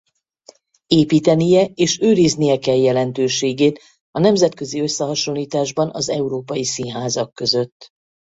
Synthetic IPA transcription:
eːpiːt̪ɛnijɛeːʃøːɾiznijɛkɛljɛlɛnt̪øːʃeːɡeːt̪ | ɒnɛmzɛt̪kø̞ziø̞sːɛɦɒʃo̞nliːt̪aːʒbɒnɒzɛuɾoːpɒjisinɦaːzɒkːø̞zø̞t̪ː

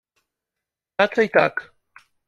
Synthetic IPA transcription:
at͡sajt̪ak

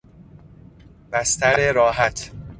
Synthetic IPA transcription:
b̥æst̪æɾeɾɒːɦæt̪ʰ

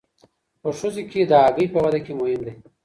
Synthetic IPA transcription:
pəʂozeked̪əaɡəjpəwɐd̪akemʊhɪmd̪e

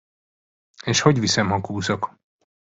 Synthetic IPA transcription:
eːʃhoɟvisɛmɦɒkuːzok

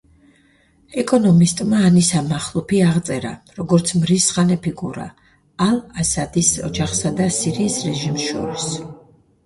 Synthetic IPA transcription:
ɛkʼɔnɔmist̪ʼmaːnisamaχlˠɔpʰiaʁt̪sʼɛɾa̰ɾɔɡɔɾt̪sʰmɾisχanɛpʰikʼuɾa̰ | alˠasad̪isɔ̰d͡ʒaχsad̪asiɾiːsɾɛʒimsʃɔ̰ɾis

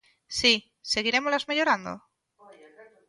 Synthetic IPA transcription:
si | se̞ɣiɾe̞molazmeʎoɾand̪o̰

